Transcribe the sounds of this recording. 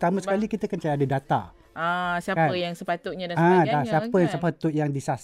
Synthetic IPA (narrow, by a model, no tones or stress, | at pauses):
t̪amə̃sə̥kalikit̪əkənt͡ʃaadədat̪a̰ | asiakanəjaŋsəpat̪ʊʔ̚ɲadaãdaŋsiapəjaŋsəpat̪ʊʔjaŋdisas